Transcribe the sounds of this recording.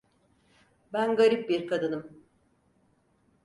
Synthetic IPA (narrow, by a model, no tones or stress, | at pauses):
bænɡaɾip̚biɾkʰad̪ɯnɯm